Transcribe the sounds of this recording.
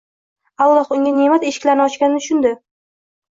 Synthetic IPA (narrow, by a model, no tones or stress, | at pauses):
alˠːɒhʊŋʲane̞mat̪e̞ʃɪ̥kʲlaɾnɒt͡ʃkʲanɪʊʃʊnd̪ɪ